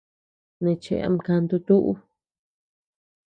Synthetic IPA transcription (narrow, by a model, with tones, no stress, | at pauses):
nẽ˧t͡ʃḛ˧˨a̰˧m˧ka˧nd̪u˧t̪u˦ʔu˦